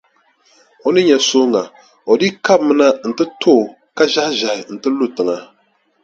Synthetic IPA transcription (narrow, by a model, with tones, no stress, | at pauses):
o˨˦nɨ˦ɲɛ˨so˦ŋa˨ | o˨di˦ka˦mɨ˦na˦n̩˨tɨ˦tʰoː˦˨ | ka˦ʒa˦hʒa˨ɪ˨n̩˨tɨ˦lu˦tɨ˨ŋa˦